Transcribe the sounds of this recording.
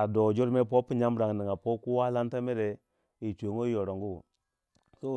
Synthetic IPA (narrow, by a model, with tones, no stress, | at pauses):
a˨do˨d͡ʒo˦ɾme˦po˦pːi˦ɲa˦mɾa˨ŋ˨ni˨ŋa˨po˦ku˦wa˦la˦n˦ta˦me˦ɾe˨ | i˨t͡ʃo˨ŋo˦jo˨ɾo˨ŋɡu˦˨ | ko˦